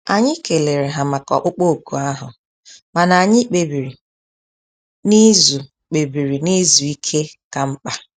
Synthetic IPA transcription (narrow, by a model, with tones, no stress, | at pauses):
a˨ɲɪ˦ke˨le˨ɾe˨ɦa˨ma˨kɔ̰˨k͡pʊ˦k͡po˦˨ku˨a˦ɦʊ˨ | ma˨na˨ɲɪ˦k͡pe˨bi˨ɾi˨ | ni˦zu˨ | k͡pe˨bi˨ɾi˨ni˦zu˨i˦kʰe˦ka˨m̩˦k͡pa˦